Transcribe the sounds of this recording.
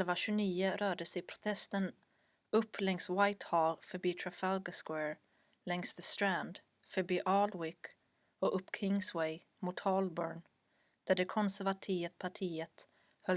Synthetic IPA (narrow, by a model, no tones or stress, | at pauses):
lvaɕɵniːəɾœːɖəsɛjpʰɾʊ̥t̪ʰɛst̪ən | ɵpʰːlɛŋswajt̪hɑːlfœɾbiːt̪ʰɾafalɡəskwæːɹ | lɛŋsðəst̪ɾænd̪ | fœɾbiːʔɑːlwɪk | ɔɵpːkʰɾɪŋswɛj | muːt̪hɔlbœɳ | d̪̥æɖɛkʰɔnsæɾvat̪ʰiːət̪pʰaʈʰiːət̪ | hœl